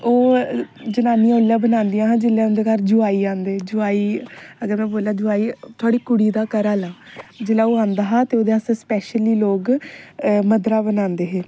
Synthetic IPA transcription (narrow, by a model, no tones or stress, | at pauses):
oː | d͡ʒənaːniãːʊlːjãːbənãːnd̪ijãːɦãːd͡ʒɪlːãːʊnd̪eːkəɾd͡ʒʊaːiːãːnd̪eːd͡ʒʊaːiːəɡəɾmɛ̃ːboːlaːd͡ʒʊaːiːt̪ʰʊaːɽiːkʊɽiːd̪aːkəɾaːlaːd͡ʒɪlaːoːãːnd̪aːɦãːt̪eːoːd̪eaːsspɛːʃəliːloːɡ | məd̪ɾaːbənãːnd̪eːɦeː